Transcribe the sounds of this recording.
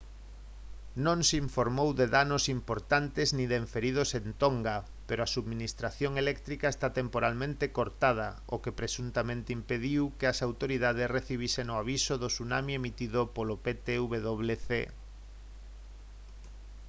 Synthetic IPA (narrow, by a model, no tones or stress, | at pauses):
nõŋsiɱfoɾmowðeðanosimpoɾt̪ant̪eznĩðeɱfeɾið̞osent̪oŋɡa | peɾoasuðmĩnist̪ɾaθjoŋelɛk̚t̪ɾikaest̪at̪empoɾalmẽnt̪ekoɾt̪að̞ɐ | okepɾesunt̪amẽnt̪eimpeðiwkeasawt̪oɾiðað̞esreθiβiseŋoaβisoðosunamiemit̪iðopolopet̪euβeðoβleθḛ